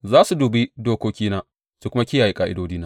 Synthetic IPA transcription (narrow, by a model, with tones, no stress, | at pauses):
zaː˦su˨duː˨bi˦doː˦kʷoː˦kʲiː˦naː˦ | su˨kʷʊ˦ma˦kʲɪ˦jaː˨ji˦kʼaː˨ʔɪ˦doː˦diː˦naː˦